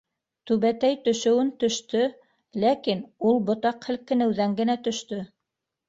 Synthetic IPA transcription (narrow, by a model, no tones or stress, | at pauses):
t̪ʉβæt̪æjt̪ɵ̆ʃɘ̆wɘnt̪ɵ̆ʃt̪ɵ | lækinulˠbŏt̪ɑqhɘ̆lkɘ̆nɘ̆wðæŋɡɘ̆næt̪ɵ̆ʃt̪ɵ